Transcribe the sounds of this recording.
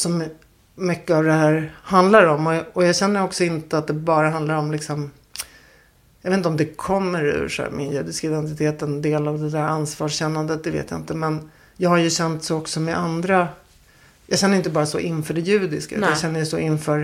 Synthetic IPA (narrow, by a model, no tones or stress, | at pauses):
sɔmː | ʏkːəavd̪ɛhæːɾhand̪laɾɔmːɔɔjɑːɡɕɛnːəɾɔksɔɪnt̪əat̪̚d̪ɛbɑːɾaɦand̪laɾɔmlɪksɔm | jɑveːt̪nt̪ɔmd̪ɛkʰɔmːəɾʉ̰ʂmɪnjʉ̟ːd̪ɪskaɪd̪ɛnt̪ɪt̪ʰeːt̪ənd̪eːlavd̪ɛd̪æɾansvɑːʂɕɛnːand̪ət̪̚d̪ɛvḛːt̪ja̰ɪ̰nt̪əmɛn | jɑːɡhaɾjɵɕɛnt̪sɔɔksɔmɛʔand̪ɾa | jɑːɡɕɛnːəɾɪnt̪əbɑːɾasɔ̰ʔɪnːfœːɖɛjʉ̟ːd̪ɪskaʉ̰t̪ajɕɛnːəjɛsɔɪnːfœːɾ